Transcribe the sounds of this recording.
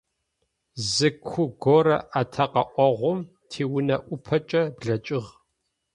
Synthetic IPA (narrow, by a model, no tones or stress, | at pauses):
zɨkʷʰʊɡoɾɐ̰ʔatʰɐqɐʔʷɔʁʷʊm | tʰiːwʊnɐʔʷʊpʰɐt͡ʃʼɐbɮɐt͡ʃʼɪʁ